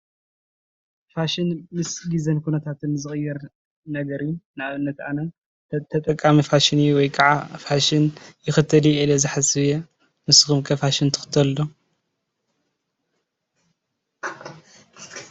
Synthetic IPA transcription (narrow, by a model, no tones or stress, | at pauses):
faʃɪnmɨsɡizɐnkʰunɐt̪ʰat̪ʰɨnzɨxʼɨjːɐɾ | nɐɡɐɾijunʔaβɨnːɐt̪anɐ | t̪ʰɐt̪ʼɐkʼːamifaʃɪnjuwɔjkʼaʕafaʃɪnjɪxɨt̪ʰːɐlielɐzɨħasɨβje | nɨsɨ̥xumkʰɐfaʃɪnt̪ʰɨ̥xɨ̥t̪ʰːɐllo